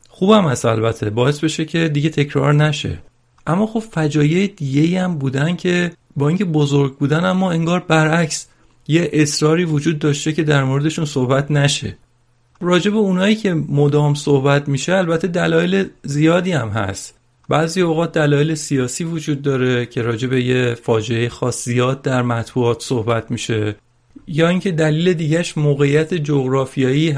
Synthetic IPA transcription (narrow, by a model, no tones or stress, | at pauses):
xuːbæmhæst̪æ̰lbæt̪ʰːebɒːe̞sbe̞ʃecʰe̞d̪iɟe̞t̪ʰe̞cʰɾɒ̰ɾnæʃe̞̰ | ʔæmːɒːxo̞b̥fæd͡ʒɒːjejed̪iɟe̞iːæmbuːd̪æncʰe̞ | bɒːiŋcʰe̞bozoɾɡ̚buːd̪ænæmːɒːe̞ŋɡɒːɾbæɾʔæcs | jeʔesɾɒːɾiːvod͡ʒuːd̪̚ːɒːʃt̪e̞cʰe̞d̪æɾmoɾed̪e̞ʃunsohbæt̪ʰnæʃe̞̰ | ɾɒːd͡ʒe̞be̞unɒːiːcʰe̞mod̪ɒːmsohbæt̪ʰmiːʃeælbæt̪ʰːed̪ælɒːjelezijɒːd̪iːæmɦæ̰st̪ | bæziːoɣɒːt̪̚d̪ælɒːjelesijɒːsiːvod͡ʒuːd̪ːɒːɾe̞cʰe̞ɾɒːd͡ʒe̞be̞jefɒːd͡ʒe̞ejexɒːszijɒːd̪̚ːæɾmæt̪buɒːt̪ʰsohbæt̪ʰmiːʃe̞ | jɒːiːŋcʰe̞d̪æliːle̞d̪iːɟæʃmoːɣe̞jːæt̪ʰed͡ʒoɣɾɒːfijɒːi